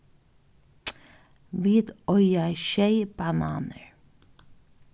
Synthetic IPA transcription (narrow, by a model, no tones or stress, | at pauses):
ʋiːd̪ɔʏɑɪʃeɪb̥ɑnɑ̰ːnəɹ